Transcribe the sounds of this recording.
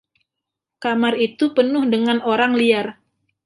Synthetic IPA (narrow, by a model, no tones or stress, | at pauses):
kamarit̪upənʊhdəŋanoɾaŋliar